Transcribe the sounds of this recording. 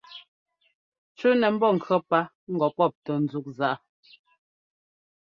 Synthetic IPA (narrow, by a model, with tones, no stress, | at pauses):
t͡ʃu˦nɛ˨m̩˦bɔ˦˨ŋ̩˨kʰɰɔ˦pa˦ | ŋ̩˦ɡɔ˨pɔ˦˨p̚tɔ˨n̩˨˦zu˦k̚za˦˨ʔa˦